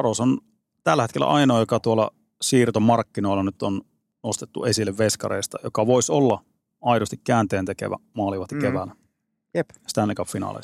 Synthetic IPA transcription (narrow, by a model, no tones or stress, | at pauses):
ɑɾoson | t̪ælːæhet̪kelːæ̰ʔɑinoːjokɑt̪uolːɑ̰ | siːrt̪omɑrkːino̞ilɑnyt̪on | nost̪et̪ːuesilːeʋʋeskɑ̰reˑist̪ɑjokɑʋoisolːɑ | ɑiɾost̪ikkːæːnt̪eːnt̪ekḛʋæ̰mɑːliʋɑst̪ikeʋælːæ | jepst̪ænlːikɑpfinɑ̰ːlḛ̥